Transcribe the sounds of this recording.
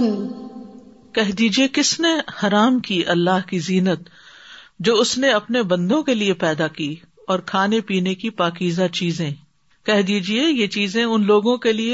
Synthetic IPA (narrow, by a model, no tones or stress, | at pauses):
kɛɦd̪iːd͡ʒiekɪsnehɐɾaːmkiʔɐlːaːɦkiziːnət̪ | d͡ʒoːʊsneɐpnebɐ̃nd̪õkeliepɛːd̪akiː | ɔːɾkʰaːnepiːnekipaːkiːzat͡ʃiːzẽ | kɛɦd̪iːd͡ʒiejet͡ʃiːzẽʊnloːɡõkelie